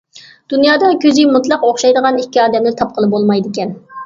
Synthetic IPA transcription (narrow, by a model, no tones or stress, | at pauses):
d̪̥unjɑːd̪ɑkʲʰøzɪmut̪lˠɑqoχʃɑjd̪əʁɑnikʲːiɑːd̪ɛmlɪt̪ʰɑp̚qʰəlˠɨp̚bolˠmɑjd̪ɪkʲɛn